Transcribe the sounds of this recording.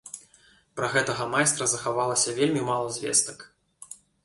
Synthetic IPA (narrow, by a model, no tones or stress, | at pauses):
pɾɐɣɛt̪ɐɣɐmajst̪ɾɐzɐxavalˠɐsʲɐvʲelʲmʲimalˠɐzʲvʲɛ̰st̪ɐk